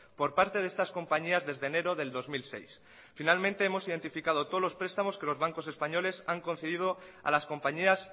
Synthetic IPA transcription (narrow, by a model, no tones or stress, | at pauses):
po̞ɾpaɾt̪e̞ðe̞st̪asko̞mpaɲiazðe̞zðeːne̞ɾo̞ðe̞ld̪o̞zmilse̞̰js | finalmẽnt̪e̞emo̞siðe̞nt̪ifikað̞o̞t̪olo̞spɾe̞st̪amo̞ske̞lo̞zβ̞aŋko̞se̞spaɲo̞le̞saŋko̞nθeðiðo̞a̰lasko̞mpaɲias